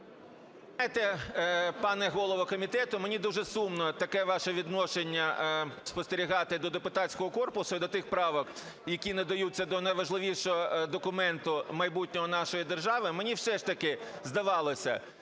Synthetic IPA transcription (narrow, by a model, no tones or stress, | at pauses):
ɛt̪ɛ | pɑnɛɦɔlˠɔʋɔkɔmʲit̪ɛt̪ʊmenʲid̪uʒɛsumnɔt̪ɐkɛʋɑʃɛʋʲid̪nɔʃenʲːɐspɔst̪eɾʲiɦɑt̪ɪd̪ɔd̪epʊt̪ɑt͡ssʲkɔɦɔkɔrpʊsʊid̪ɔt̪ɪxpɾɑʋɔk | jɐkʲinɐd̪ɐjut͡sʲːɐd̪ɔnɐjʋɐʒlˠɪʋʲiʃɔɦɔd̪ɔkʊmɛnt̪ʊmɐjbutʲnʲɔɦɔnɑʃɔjid̪erʒɑʋɪmenʲiwsɛʃt̪ɐkɪzd̪ɐʋɑlˠɔsʲɐ̰